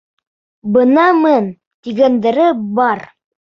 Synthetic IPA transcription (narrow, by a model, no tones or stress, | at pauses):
bɤ̆nɑmɤn | t̪iɡænd̪ɘ̆ɾɘbɑɾ